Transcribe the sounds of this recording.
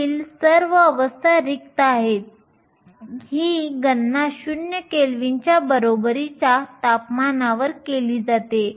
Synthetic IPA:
iːlsəɾʋəəʋəst̪ʰaɾik̚t̪aɦet̪̚ | hiːɡənːaɕunjəkelʋiɲt͡ɕjabəɾobəɾit͡ɕat̪apmanaʋəɾkeliːd͡zat̪e

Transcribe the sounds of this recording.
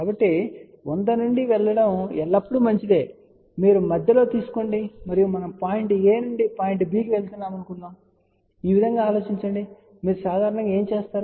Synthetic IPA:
kkaːbɐʈːi | ond̪ɐnuɳɖiʋɛɭːɐɽɐmɛɭːɐpːuɽumɐɲt͡ʃid̪e̞ː | miːɾumɐd̪ʱjɐlo̞ːt̪iːsu̥ko̞ːɳɖimɐɾijumɐnɐmpaːjiɳʈeːnuɳɖipaːjiɳʈbiːkiʋe̞ɭt̪unːaːmɐnukunːaːm | iːʋid̪ʱɐŋɡaːlo̞ːt͡ʃiɲt͡ʃɐɳɖi | miːɾusaːd̪ʱaːɾɐɳɐŋɡaeːmt͡ʃeːst̪aːɾu

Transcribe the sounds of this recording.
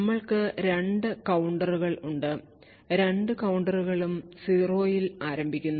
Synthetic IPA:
ɐmːɐɭkɨɾe̞ɳɖɨkɐwuɳɖɐruɣɐɭuɳɖɨ | ɾe̞ɳɖɨkɐwuɳɖɐruɣɐɭumsiro̞ːjilaːɾɐmbʱikʲːunːɐ

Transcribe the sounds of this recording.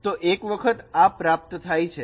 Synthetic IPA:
t̪oʔekʋəkʰət̪apɾap̚t̪t̪ʰajt͡ʃʰe

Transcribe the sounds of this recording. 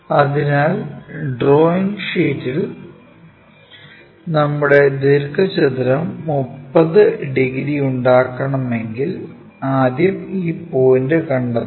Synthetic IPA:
ɐðinaːlɖro̞ːiŋɡʂiːtːil | nɐmːuɽe̞d̪iɾkɐt͡ɕɐt̪iɾɐmːupːɐðɨɖiɣɾiuɳɖaːkːɐɳɐme̞ŋɡil | aːd̪jɐmiːpoːjndekɐɳɖɐ

